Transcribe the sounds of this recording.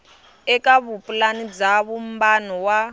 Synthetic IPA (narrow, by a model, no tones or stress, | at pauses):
ɛkʼaβupʼulanid͡zaβum̩banɔwa